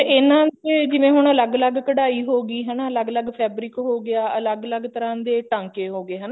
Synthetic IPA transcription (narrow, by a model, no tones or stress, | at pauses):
eɪnãːeːd͡ʒɪʋẽːɦʊɳələɡələɡkəɽaːiːɦoːɡiːɦənaːələɡələɡpʰɛːbɾɪkɦoːɡɪaːələɡələɡt̪əɾãːd̪eːʈãːŋkeːɦoːɡeːɦəna